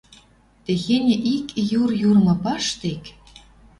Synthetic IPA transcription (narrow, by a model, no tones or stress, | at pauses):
t̪eɣenʲĕʔikjurjurmɤ̆pɑʃt̪ek